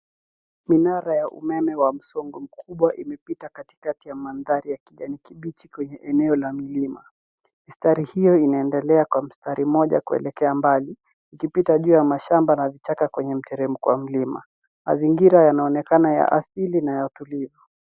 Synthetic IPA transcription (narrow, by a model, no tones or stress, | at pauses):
minaɾajaʔṵmɛmɛwam̩sɔŋɡɔm̩kʰuɓwaʔimɛpitakati̥katijamanðaɾijakiʄanikiɓit͡ʃikwɛɲɛʔɛnɛɔlamilima̰ | mistaɾihijɔinaɛndɛlɛakwam̩staɾʔimɔʄa̰kuɛ̰lɛkɛambali | ikipitaʄuːjamaʃambanavit͡ʃakakwɛɲɛm̩tɛɾɛmukwa̰m̩lima̰ | ma̰ziŋɡiɾajanaɔnɛkanaja̰ʔasilinajautulivu